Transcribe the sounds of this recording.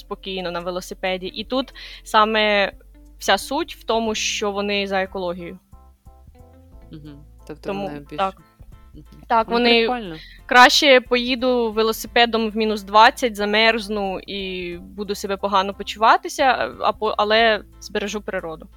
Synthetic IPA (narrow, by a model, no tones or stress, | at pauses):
spɔkʲijnɔnɐʋelˠɔsɪpɛdʲiʔit̪ut̪sɑmɛ | wsʲasutʲwt̪ɔmʊʃt͡ʃɔʋɔnɪzɐekɔlˠɔɦʲijʊ | t̪ɔmut̪ɑk | t̪ɑkʋɔnɪkɾɑʃt͡ʃɛpɔjid̪ʊʋelˠɔsɪpɛd̪ɔmwmʲinʊsd̪ʋɑt͡sʲːɐtʲzɐmɛrznʊibud̪ʊsebɛpɔɦɑnɔpɔt͡ʃʊʋɑt̪ɪsʲɐɐ̰pɔʔɐ̰lˠɛ | z̥beɾeʒupɾɪɾɔd̪ʊ